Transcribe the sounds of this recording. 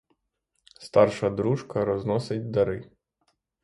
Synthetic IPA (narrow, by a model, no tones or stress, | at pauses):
st̪ɑrʃɐd̪ɾuʒkɐɾɔznɔsɪtʲd̪ɐɾɪ